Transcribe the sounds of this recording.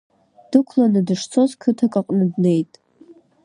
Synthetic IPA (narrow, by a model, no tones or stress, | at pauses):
d̥ɨkʷʰlanɨdɨʂt͡sʰo̞zkʰɨtʰakʼaqʼnɨdne̞jtʼ